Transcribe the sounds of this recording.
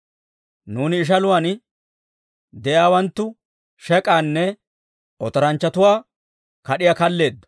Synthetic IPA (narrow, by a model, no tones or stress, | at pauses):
nuːnɪːʃ̬ɐlʊwan | d̪ɛjaːwɐnt̪ːʊ | ʃɛkʼaːnːɛ | ʔɔt̪ɔɾɐnt͡ʃːɐt̪ʊwaː | kɐɗɪjaːkɐlːe̞ːd̪ːɔ̥